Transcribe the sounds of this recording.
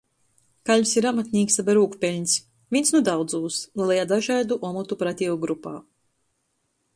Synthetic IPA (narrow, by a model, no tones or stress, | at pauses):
kaʎʲvsiɾamat̪ʲnʲiːksabʲaɾuːkpʲelʲɲʲs | vʲinsnud̪awd̪zuːslɛjad̪aʒaːd̪uʔɔmɔt̪upɾat̪ʲiɔɡɾupaː